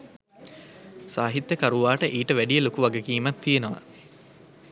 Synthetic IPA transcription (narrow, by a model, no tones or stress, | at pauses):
saːɦit̪ːjekaɾuʋaːʈəʔiːʈəʋæɖijelokuʋɐɡekiːmɐt̪ʰːijenɐʋɐ̰